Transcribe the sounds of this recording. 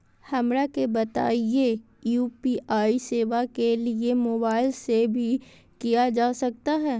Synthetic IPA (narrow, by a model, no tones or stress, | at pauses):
hɐmɾakebɐt̪a̰ːije | juːpiʔaːiseːʋakeliemoːbaːɪlsebʱi | kijad͡ʒaːsɐk̚t̪aɦɛː